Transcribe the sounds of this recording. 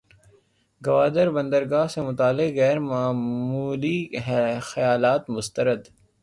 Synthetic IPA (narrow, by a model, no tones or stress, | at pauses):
ɡɐʋaːd̪əɾbɐ̃nd̪əɾɡaːɦsemʊt̪aːlɪqɣɛːɾmaːmuːliɦxɐjaːlaːt̪mʊst̪əɾəd̪